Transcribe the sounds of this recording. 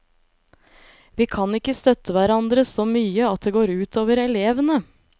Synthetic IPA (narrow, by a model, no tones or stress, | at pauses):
ʋiːkʰɑnɪkːəst̪œt̪ʰəʋæɾɑnd̪ɾəsoːmyːəɑt̪̚d̪eːɡoːɾʉːt̪ʰoːʋəɾɛleːʋənə